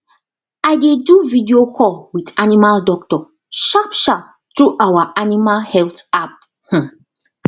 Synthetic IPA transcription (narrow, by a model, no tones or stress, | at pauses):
aɪdeduvidiokʰɔlwidanimaldɔk̚tɔ | ʃapʃap | tɹuʔawaʔanimalhɛltap̚ | h̩